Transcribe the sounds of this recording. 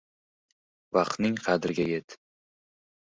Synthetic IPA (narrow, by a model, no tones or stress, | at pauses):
vɑqt̪nɪŋqʰɑd̪ɪɾɡʲaje̞t̪